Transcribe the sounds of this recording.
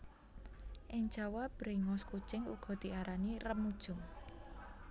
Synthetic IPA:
ʔɪŋ̥d͡ʒ̥awabɾeŋɔskut͡ʃɪŋuɡ̥ɔ̤d̪̥i̤ʔaɾanirəmːud̥ʒ̥ʊŋ

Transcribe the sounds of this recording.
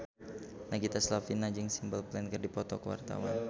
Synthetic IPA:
naɡit̪aslafinːad͡ʒɪŋsimbəlplɛnkərdipɔt̪ɔkəwa̰rt̪a̰wa̰n

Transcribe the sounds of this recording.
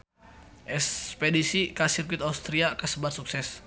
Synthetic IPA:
ʔɛspedisikasirpit̪aust̪ɾiakəsəbart̪suk̚sɛs

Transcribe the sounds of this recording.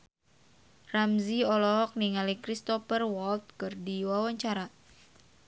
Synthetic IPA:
ramziɔlɔɦɔk̚niŋalikɾist̪ɔfərwɔlt̪̚kɨrdiwawaɲt͡ʃaɾa

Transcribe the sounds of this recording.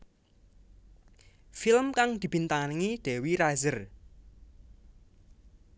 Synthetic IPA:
filmkaŋd̪̥i̤b̥int̪aŋanŋiɖ̪̥e̤wiɾazər

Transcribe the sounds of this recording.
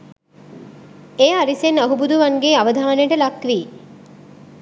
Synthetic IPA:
ejaɾisenəɦubud̪uʋaŋɡeːaʋəd̪ʱaʋənejʈəlakʋiː

